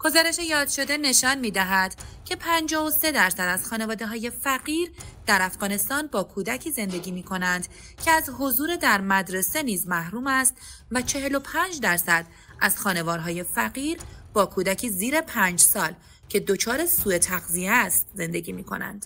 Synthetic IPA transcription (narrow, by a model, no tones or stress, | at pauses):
ɡ̥o̞zɒːɾe̞ʃe̞jɒːd̪̥ʃo̞d̪e̞ne̞ʃɒːnmiːd̪æɦæd̪̥cʰe̞pʰænd͡ʒɒose̞d̪æɾsæd̪æz̥xɒːne̞vɒːd̪e̞ɦɒːje̞fæɣiːɾd̪̥æɾæfɣɒːne̞st̪ɒːnbɒːkʰuːd̪æcʰiːze̞nd̪e̞ɟiːmiːkʰo̞nænd̪ | cʰe̞æzɦo̞zuːɾed̪æɾmæd̪ɾe̞se̞niːzmæhɾuːmæst̪væt͡ʃʰe̞ɦe̞lo̞pʰæːnd͡ʒd̪æɾsæd̪̥ | ʔæz̥xɒːne̞vɒːɾɦɒːje̞fæɣiːɾb̥ɒːkʰuːd̪æcʰiːziːɾe̞pʰænd͡ʒsɒːl | cʰe̞d̪ot͡ʃʰɒːɾe̞suːe̞t̪ʰæɣziest̪ze̞nd̪e̞ɟiːmiːkʰo̞̰næ̰nd̪̥